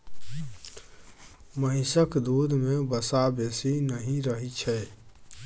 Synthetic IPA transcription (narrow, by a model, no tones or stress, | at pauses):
məɦɪsəkd̪ud̪ʱmebəsabesinəɦĩɾəɦit͡ʃʰɛ